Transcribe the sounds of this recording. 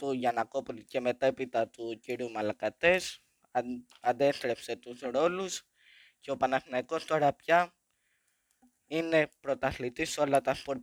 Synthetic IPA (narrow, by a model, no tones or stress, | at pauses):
t̪uʝɐnɐkopulice̞me̞t̪e̞pit̪ɐt̪uciɾiumɐlɐkɐt̪e̞s | ɐnd̪e̞st̪ɾe̞pse̞t̪uzɾo̞lus | ce̞o̞pɐnɐθinɐiko̞st̪oɾɐpcɐ | ine̞pɾo̞t̪ɐθlit̪iso̞lɐt̪ɐspoɾ